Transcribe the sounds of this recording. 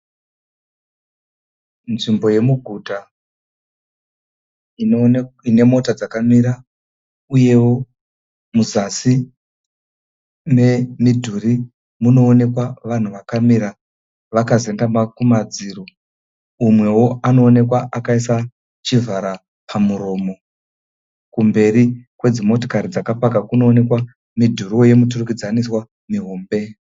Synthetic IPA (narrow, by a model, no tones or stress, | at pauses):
nʐimbo̞je̞muɡʱuta | ine̞mo̞tad͡zakamiɾa | uje̞wo̞ | muzasi | ne̞midʱuri | muno̞ːne̞kwaʋan̤uʋakamiɾa | ʋakaze̞ndamakumad͡ziːɾo̞ | umwe̞wo̞ano̞ːne̞kwaʔakaisa | t͡ʃivʱaɾa | pʰamuɾo̞ːmo̞ | kumbe̞ɾikwe̞d͡zimo̞to̥kaɾid͡zakapakakuno̞ːne̞kwa | midʱurioje̞muturukid͡zaniswa | miɦo̞ːmbe̞